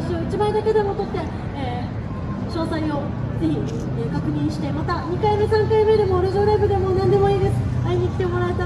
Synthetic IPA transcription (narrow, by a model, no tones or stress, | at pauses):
ɕoit͡ɕimaid̪ake̞d̪e̞mo̞t̪o̞t̪ːe̞ | eː | ɕo̞ːsaio̞ | d͡ze̞çi | ekakɯ̟ɲ̟ĩɕi̥t̪e̞mat̪aɲ̟ikaime̞sãŋkaime̞d̪e̞mo̞ɾeʑoɾaibɯ̟d̪e̞mo̞nãnd̪e̞mo̞iːd̪e̞sɨ̥aiɲ̟ikʲi̥t̪e̞mo̞ɾaet̪a